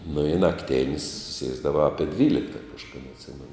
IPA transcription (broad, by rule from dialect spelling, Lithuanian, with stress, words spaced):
nʊ ɪ nɐkˈtʲeːnʲsʲ ˈsʲiɛzdɐʋɐ ˈɑːpʲiɛ ˈdʲʋʲiːlʲɪktɐ kɐʃkɐˈdɐ ɐtʲˈsʲɪmʲɛnʊ